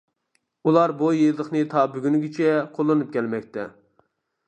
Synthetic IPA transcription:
ulˠɑɾbojid̪əχnɨt̪ʰɑbyɡʲynɡʲit͡ʃʰɛqʰolˠːɨnɨp̚kʲɛlmɛkʲt̪ʰɛ̰

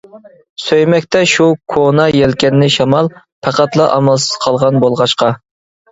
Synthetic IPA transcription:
søjmɛkʲt̪ɛʃukʰonɑjɛlkʲɛnːɪʃɑmɑlˠ | pʰæqæt̪lˠɑʔɑmɑlˠsɨ̥z̥qʰɑlˠʁɑnbolˠʁɑʃqɑ

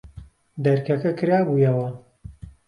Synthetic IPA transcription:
d̪ɐɾkɐkɐkɨɾaːbuːjɐwɐ

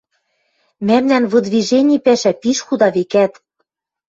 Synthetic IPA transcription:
mæmnænβɤ̆d̪viʒenʲipæʃæpiʃxud̪ɑβekæt̪

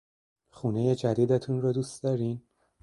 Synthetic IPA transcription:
xuːne̞jed͡ʒæd̪iːd̪et̪ʰunrɒːd̪uːsd̪̥ɒːɾin

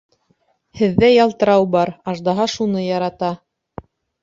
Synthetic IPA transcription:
hɘ̆ðːæjɑlˠt̪ɤ̆ɾɑwbɑɾɑʒd̪ɑɦɑʃunɤjɑɾɑt̪ɑ

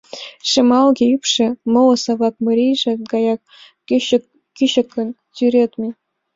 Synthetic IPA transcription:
ʂĕmɑlˠɡʲeypʂɘ̆mɤlɤ̆sɑβɑk̚mɤ̆ɾʲiʐɘ̆ɡɑjɑk | kiɕɤ̆kːɤ̆n | tʲyɾʲet̪mʲe

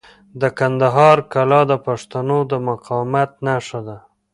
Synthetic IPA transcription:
d̪əkand̪aɦɑɾkalɑd̪əpaʂt̪anod̪əmaqɑmat̪̚naʂad̪a

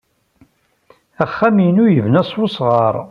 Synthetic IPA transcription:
æχːæmjənujəvnæsˤwosʁɑɾˤ

